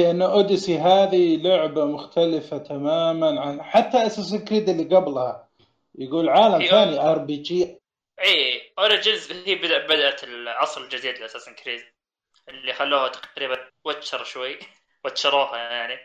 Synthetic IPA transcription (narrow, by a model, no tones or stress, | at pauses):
ɪʔanːʊʔʊd̪ɪsiɦaːðilʊʕbamʊxt̪alɪfat̪ʰamaːmanʕaħat̪ːaʔasaːs̬ɪlkɾiːd̪ɪlːiɡablha̰ | jɪɡuːlʕaːlamθaːniʔɑɾˤbiːd͡ʒiː | ʔiːʔʊɾˤɪd͡ʒɪzhiːbɪd̪ʔbɪd̪ʔalʕɑsˤlɪld͡ʒɪziːd̪lɪʔasaːsɪlkɾiːd̪ | ʔɪlːixalːuːhat̪ḁqɾiːbanwat̪ːʃɑɾˤʃwajː | wat̪ʃɑɾˤɑːhajaʕni